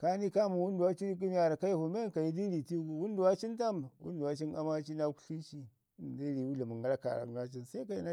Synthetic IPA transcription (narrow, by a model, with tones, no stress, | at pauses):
ka˦ni˦ka˦mu˨wu˦ndu˨wa˦t͡ʃi˦ɾi˦k̬i˦n˦a˨ɾa˨ka˦ji˦fu˨me˦ka˨ji˦di˦ɾi˨ti˦ɡu˨wu˦ndu˨wa˦t͡ʃi˦nta˦mwṵ˦ndu˨wa˦t͡ʃi˦na˦ma˦t͡ʃi˦na˦ku̥˦ɬi˦t͡ʃi˦˨ | di˦ɾi˨wu˦la˨mu˨ŋɡa˦la˦ka̰˨ɾa̰˨ɡa˦t͡ʃi˦nsa˦i˦ka˨ji˦na˦